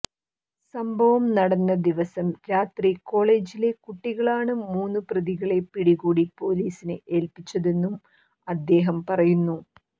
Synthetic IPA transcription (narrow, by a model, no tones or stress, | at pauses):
sɐmbʱɐʋɐmnɐɽɐnːɐd̪iʋɐsɐmɾaːt̪riko̞ːɭe̞ːd͡ʑile̞kuʈːiɣɐɭaːɳɨmuːnːuprɐðiɣɐɭe̞piɽiɣuːɽipo̞ːliːsinɨʔeːlpit͡ɕːɐðe̞nːum | ɐd̪ːe̞ːɦɐmpɐrɐjunːu